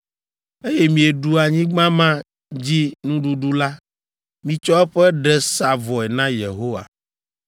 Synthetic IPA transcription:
e˦je˦mĩ˨e˨ɖu˦a˨ɲĩ˦ɡ͡bã˦mã˦ | d͡ʑi˦nũ˦ɖu˦ɖu˦la˦ | mĩ˨t͡ʃɔ˦ɛ˦ɸɛ˦ɖɛ˦sa˨vɔ˨ɛ˨nã˦jḛ˨ɦo˦wa̰˨

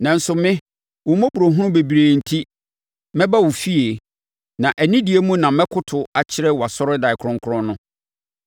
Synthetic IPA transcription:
nã˨n̩˦sʊ˨mɪ̃˦ | wʊ̃˨mɔ̃˦bu˨ɾo˨ɦʊ̃˦ʊ̃˦be˨bi˨ɾe˨n̩˨tʰi˦ | mɛ̃˦ba˦wʊ˨fi˦e˨ | nã˨ʔæ˨nĩ˦di˨e˦mũ˦nã˨mɛ̃˦kʰʊ˦tʰʊ˨a˨t͡ɕʰɪ˦ɾɛ˦wɔ˨a˨sɔ˦ɾɪ˦da˨ɪ˨kʰɾʊ̃˦ŋ˦kʰʊ˦ɾʊ̃˦nːʊ̃˦

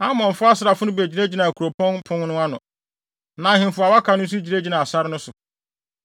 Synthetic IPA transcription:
a˦mɔ̃˨ɱ˨fʊ˦a˦sɪ˨ɾa˨fʊ˦nʊ̃˦be˨d͡ʑi˨ɾe˦d͡ʑi˨nã˨æ˨kʰo˨pʰɔ̃˦npʰʊ̃˦nnʊ̃˦a˦nʊ̃˨ | nã˨hɪ̃˨mfʊ˦a˨wa˦kʰa˨nʊ̃˦n˦s̬u˦d͡ʑi˨ɾe˦d͡ʑi˨nã˨sa˦ɾɪ˦nʊ̃˦sʊ˨

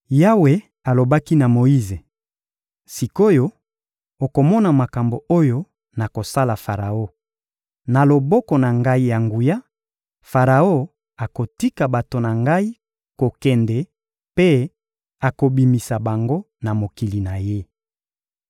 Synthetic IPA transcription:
ja˦we˨ | a˨lo˨ba˦ki˦na˨mo˨i˦ze˨ | si˨ko˦jo˦ | o˨ko˨mɔ˦na˨ma˨ka˨mbo˨o˦jo˦ | na˨ko˨sa˦la˨fa˨ʁa˨o˦ | na˨lo˨bɔ˦kɔ˨na˨ŋɡa˦i˦ja˨ŋɡu˨ja˦ | fa˨ʁa˨o˦ | a˨ko˨ti˦ka˨ba˨to˨na˨ŋɡa˦i˦ | ko˨kɛ˨ndɛ˨ | pe˦ | a˨ko˨bi˨mi˨sa˨ba˨ŋɡo˦ | na˨mo˨ki˨li˨na˨je˦

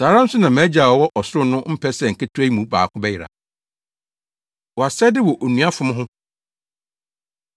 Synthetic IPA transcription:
saː˨ɾã˦n̩˦sʊ˦nã˨mã˨˦d͡ʑa˨wɔ˨wɔ˦ʔɔ˨sʊ˦ɾʊ˦nʊ̃˦m̩˦pʰɛ˦sɛ˨ŋ̩˨kʰɪ˦tʰʊ˦æ˦i˦mũ˨˦ba̰ː˨kʰʊ̃˦bɛ˦jɪ˨ɾa̰˨ | wɔ˨a˨sɛ˦dɪ˦wɔ˨ʔo˨nũ˨a˦fʊ̃˨˦m̃˦ɦʊ̃˦

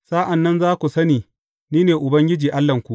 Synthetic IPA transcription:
saː˦ʔa˨nːɐ˦nzaː˦kʷu˨sɐ˦niː˨ | niː˦neː˨ʔʊ˨bɐ˦ŋɡʲɪ˦d͡ʒiː˨ʔa˦lːɐ˨ŋkʷu˨ʔ

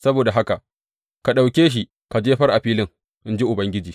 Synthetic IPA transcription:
sɐ˦boː˨da˨ɦa˦ka˨ʔ | ka˨ɗa˨wkʲeː˦ʃ̬i˦ | ka˨d͡ʒeː˦ɸɐ˦rʔa˨ɸiː˦lɪ˦ŋ | ʔɪ˦nd͡ʒi˦ʔʊ˨bɐ˦ŋɡʲɪ˦d͡ʒiː˨

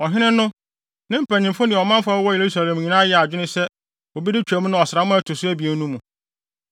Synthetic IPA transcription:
ɔ˨ɦɪ̃˦nɪ̃˦nʊ̃˦ | nɪ̃˦m̩˦pʰæ˨ɲɪ̃˨mfʊ˦nɪ̃˨ɔ˨mã˦mfa˦wɔ˦je˨ɾu˦sa˨lɛ̃˨mɲĩ˨nãː˦jɛ˦a˨d͡ʑᶣɪ˦ɪ̃˦sɛ˦ | o˨bi˦dɪ˦t͡ɕᶣæ˨mũ˦nʊ̃˦ɔ˨sɪɾa˨˦mʊ̃˦æ˦tʰʊ˨sʊ˦æ˦bi˨e˨˦nũ˦mũ˨

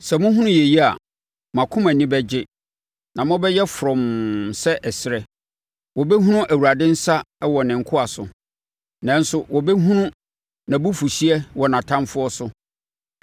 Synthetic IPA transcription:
sɛ˨mʊ̃˦ɦũ˦nʊ̃˦je˨ji˦a̰˨ | mã˨kʰʊ̃˦mæ̃˨nĩ˦bɛ˦d͡ʑɪ˦ | nã˨mʊ̃˦bɛ˦jɛ˦fɾɔ̃˨msɛ˦ʔɛ˨sɪ˨˦ɾɛ˨ | wɔ˨be˦ɦũ˦nʊ̃˦ʔæ˨wu˨ɾa˨dɪ̃˦n̩˦sa˦wɔ˨nɪ̃˨ŋ̩˨kʰʊ˦a˨sʊ˨ | nã˦n˦sʊ˦wʔɔ˨be˦ɦũ˦nʊ̃˦ | nã˨bu˦fu˨ɕi˦ɛ˦wɔ˨nã˨tʰã˦mfʊ˦ɔ˦sʊ˦

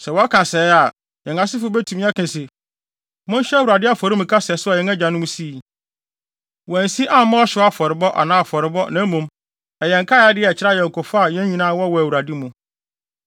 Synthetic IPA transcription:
sɛ˨wɔ˨˦a˦kʰã˨sɛ˨˦a˨ | jɛ̃˨ŋa˨sɪ˦fʊ˦bɛ˦tʰũ˨mĩ˦a˦kʰɛ̃˨sɪ˨ | mʊ̃˦n˦ɕᶣɛ˦æ˦wu˨ɾa˨dɪ˦a˦fɔ˨ɾɪ˦mũ˨kʰa˦sɛ˨sʊ˦a˨jɛ̃˨ŋæ˦˨d͡ʑã˨nʊ̃˦m˦si˦˨ | wɔ˨æ˨n˨si˦ʔa˦mã˦ɔ˦ɕɪ˨˦a˦fɔ˨ɾɪ˨bɔ˦ʔa̰˨nãː˦a˨fɔ˨ɾɪ˨bɔ˦nã˨˦mũ˨m | ɛ˨jɛ̃˨ŋ˨kʰa˦ja˦dɪ˦ɛ˨t͡ɕʰɪ˦ɾa˦jɛ˨kʰʊ˨fa˦a˦˨jɛ̃˦ɲ˦ɲĩ˨nãː˦˨˦wɔ˦wɔ˨æ˨wu˨ɾa˨di˦mũ˨

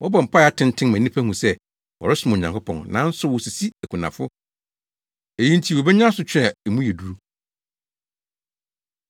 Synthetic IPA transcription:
wɔ˦bɔ̃˨m̩˨pʰa˦˨a˨˦tʰɪ̃˦ntʰɪ̃˦nmæ̃˨nĩ˦pʰæ˦hũ˨sɛ˦ | wɔ̰˨ɾɪ˦sʊ˨˦mã˨ɲã˨ŋkʰʊ˦pʰɔ̃˨nnã˨˦n̩˦sʊ˦wʊ˨si˨si˦æ˨kʰũ˨nã̰˨fʊ˦ | e˨jĩ˦n˦tʰi˦˨wɔ˨bɛ˦ɲã˦sʊ˨t͡ɕᶣɛ˨ɛ˨mũ˦jɛ˨du˨ɾu˦

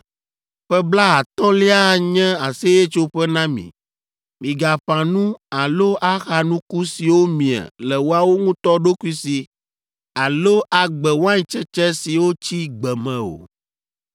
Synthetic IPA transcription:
ɸɛ˦bla˦a˨t̪ɔ̃˦li˦a˦˨ɲɛ̃˦a˨se˦je˦t͡ʃo˦ɸɛ˦nã˦mḭ̃˨ | mĩ˨ɡa˨ɸã˨nũ˦a˨lo˦ʔa˦xa˨nũ˦ku˦si˨wo˦mĩ˨ɛ̰˨lɛ˨wo˦a˦wo˦ŋũ˦t̪ɔ˦ɖo˦ku˦i˦si˨ | a˨lo˦ʔa˨ɡ͡bɛ˨wo˦ã˦ɲĩ˨t͡ʃɛ˦t͡ʃɛ˦si˨wo˦t͡ɕi˦ɡ͡bɛ˨mɛ̃˨o̰˨

